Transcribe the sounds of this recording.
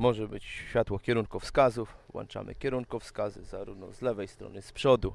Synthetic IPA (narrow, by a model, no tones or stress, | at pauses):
mɔʐɛbɘt͡ɕɕfʲjat̪wɔkʲjɛɾuŋkufskazufwɔ̰nt͡ʂa̰mɘ̰kʲjɛɾuŋkufskazɘzaɾuvnɔ̰zlɛvɛjst̪ɾɔ̰nɘspʂɔd̪u